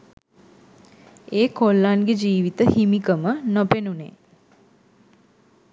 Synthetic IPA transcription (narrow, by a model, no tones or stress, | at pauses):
eːkolːanɡed͡ʒiːʋit̪əhimikəmənopenunḛ